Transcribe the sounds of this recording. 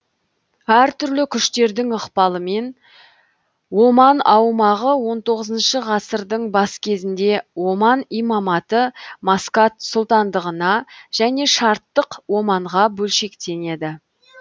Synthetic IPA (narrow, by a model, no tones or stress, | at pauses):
æɾt̪ʰʏɾlɪkʲʰʏʃt̪e̞ɾd̪ɪŋəqpɑlˠəme̞n | wo̞mɑnɑwmɑʁəwo̞nt̪ʰo̞ʁəzənʃəʁɑsəɾd̪əɴbɑskʲʰe̞zɪnd̪e̞wo̞mɑnijmɑmɑt̪əmɑskɑt̪sʊlˠt̪ɑnd̪əʁənɑʒ̥æne̞ʃɑɾt̪ːəqwo̞mɑɴʁɑbɵlʃe̞kt̪e̞ne̞d̪ɪ